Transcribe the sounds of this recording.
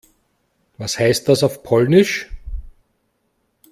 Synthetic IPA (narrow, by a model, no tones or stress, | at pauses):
vashaɪst̚d̥asaʊfpʰɔlnɪʃ